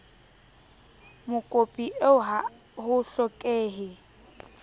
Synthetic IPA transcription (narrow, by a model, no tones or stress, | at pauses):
mʊkʼopʼiʔeʊɦa | hʊɬɔkʼeːɦɪ